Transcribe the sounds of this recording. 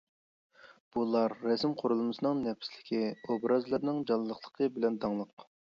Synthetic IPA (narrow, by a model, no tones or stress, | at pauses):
b̥ulˠɑɾːɛsɪmqʰoɾulˠmɨsɨnɨŋnɛpslɪ̥kʲʰiobɾʔɑzlˠɨɾnɨŋd͡ʒɑlˠːəχlˠə̥qʰəbɪlɛnd̪ɑŋlˠəq